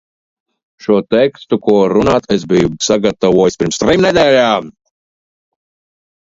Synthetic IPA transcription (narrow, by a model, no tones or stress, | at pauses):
ʃuɔt̪ɛkst̪ukuɔɾunaːt̪esbijusaɡat̪avuɔjsʲpʲiɾmst̪ɾimnɛd̪ʲɛːlʲaːm